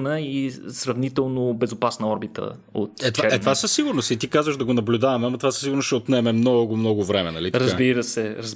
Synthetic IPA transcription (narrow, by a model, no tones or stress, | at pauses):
nəisɾɐvnit̪ɛlˠnobɛzʊpasnɐɔɾbit̪ə̰ | o̰t̪ɛt̪vɛɛt̪vasəsːiɡʊɾnost̪it̪ikazvəʃd̪ɐɡonɐblʲud̪avɐmɛɐmːɐt̪ovasə̥siɡʊɾnost͡ʃɛot̪nɛmɛmnɔɡʊmnɔɡʊvɾɛmɛnɐ̰liɾəzzbiɾəsɛɾəz